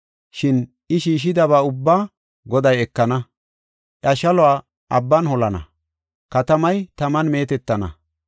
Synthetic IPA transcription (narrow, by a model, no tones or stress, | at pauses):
ʃɪn | ʔɪʃiːʃ̬ɪd̪ɐβaːʊbːaː | ɡɔd̪ɐjɛkːɐnɐ | ʔɐʃɐlɔwaː | ʔɐbːɐnhɔlɐnɐ̰ | kɐt̪ɐmɐjt̪ɐmɐnme̞ːt̪ɛt̪ːɐnɐ̰